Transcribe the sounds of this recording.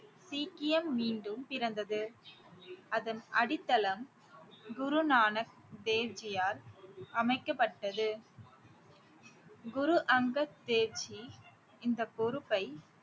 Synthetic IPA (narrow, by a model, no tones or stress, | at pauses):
siːkɪjɐmːiːɳɖɯmpɪɾɐnd̪ɐðɯ | ɐðɐnʔɐɽɪt̪ːɐlɐm | ɡʊɾʊnaːnɐk̚ | d̪eːʋd͡ʒɪjaːɾɐmɐɪkːɐpːɐʈːɐðɯ | ɡʊɾuʔɐŋɡɐd̪eːʋd͡ʒi | ɪnd̪ɐkɔɾɯpːɐɪ